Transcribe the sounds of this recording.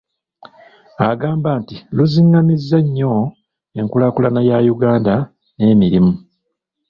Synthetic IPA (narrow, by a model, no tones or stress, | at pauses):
aɡaːmbaːntiluziŋɡamizːeɲːo̞ | e̞ŋkulakulanajajuɡaːnda | ne̞ːmiɾimu